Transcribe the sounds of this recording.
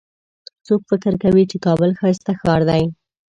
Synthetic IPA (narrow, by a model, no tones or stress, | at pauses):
t͡sokfɪkɪɾkawit͡ʃekɑbəlxɑjst̪axɑɾd̪aj